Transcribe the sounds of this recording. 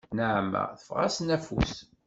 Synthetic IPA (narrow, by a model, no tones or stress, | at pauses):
nəʕmːə̰ʁθə̥fʁæ̰snæfṵs